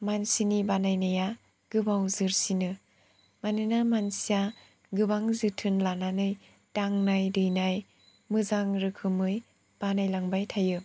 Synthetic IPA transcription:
mansinibanajnɯja | ɡ̥ɯbawzɯɾsinɯ | manɯnamansija | ɡɯbaŋzɯtʰɯnlananɯj | taŋnajdɯjnaj | mɯzaŋɾɯkʰɯmɯj | b̥anajlaŋbajtʰajɯ

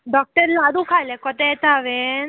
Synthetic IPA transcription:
ɖɔk̚ʈəɾlad̪ũkʰajlẽkɔt̪et̪aʋen

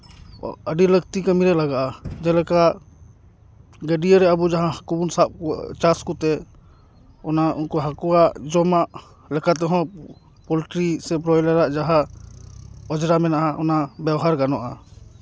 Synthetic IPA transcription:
əɖiləkt̪ikəmiɾɛlaɡaʔad͡ʒɛlɛkaʔ | ɡəɖiəɾɛəbud͡ʒaɦãkubunsap̚kɔt͡ʃaskɔt̪ɛ | ɔnaunkɔɦakɔwaʔd͡ʒɔmaʔ | lɛkat̪̬ɛɦɔ̃ | pɔliʈɾisɛpɾɔjlɛɾaʔd͡ʒaɦã | ɔd͡ʒɾamɛnaʔaɔnabɛbɔɦaɾɡanɔʔa

